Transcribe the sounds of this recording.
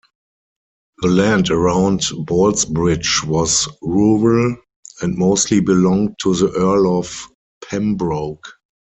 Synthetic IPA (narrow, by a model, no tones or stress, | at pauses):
ðəlæ̃ndəɹãʊ̃ndbɔlsbɹɪd͡ʒwɔzɹuɹəl | ɛ̃ntmoʊstʰlibɪlɔ̃ŋ̚tʰːuðəʔɜ˞lɔf | pʰɛ̃mbɹoʊk